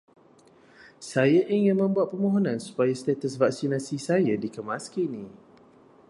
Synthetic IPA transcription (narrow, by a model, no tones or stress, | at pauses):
sajaʔiŋɪ̃nmə̃mbuat̪̚pəmõɦonãnsu̥pajast̪ɛt̪əsvak̚sinasisajadikəmaskinĩ